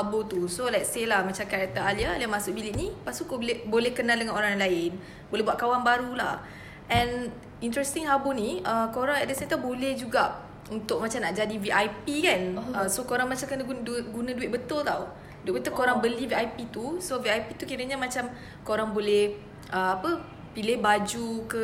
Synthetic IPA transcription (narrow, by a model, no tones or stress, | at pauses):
habot̪usolɛt̚selahmat͡ʃamkaɾak̚t̪əaliaaliamasʊk̚bilɪʔnipast̪ukoblɛbolɛhkənaldəŋanoɾaŋlaɪn | bolɛɦbuwaʔ̪̚kawaŋbaɾula̰h | ʔɛ̃n | int̪ɾɛst̪iŋhaboniəkoɾaŋɛ̰ʔdəsãɛ̃nt̪awbolɛhd͡ʒuɡaʔ | unt̪ʊʔ̚mat͡ʃamnaʔd͡ʒadiviʔajpikanəsokoɾaŋmat͡ʃamkənaɡunduɡunãduɪʔ̚bət̪ʊlt̪aw | duɪʔ̚bət̪ʊlkoɾaŋbəliviajpit̪usoviajpit̪ukiɾəɲamat͡ʃam | koɾaŋbolɛh | ʔəapə | pilɪhbad͡ʒukə